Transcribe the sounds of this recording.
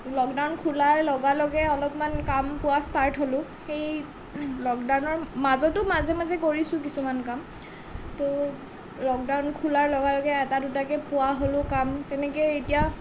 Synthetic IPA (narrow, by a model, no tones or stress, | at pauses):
lɔkdawnkʰulaɹlɔɡalɔɡɛɔlɔpmankampʊwastaɹtʰɦolʊxej | lɔkdawnɔɹmazɔtʊmazɛmazɛkoɹisʊ̃k̬isumankam | to | lɔk̚dawnkʰulaɹlɔɡalɔɡɛːtadutakɛpʊwaɦolʊkamtɛnɛkɛetija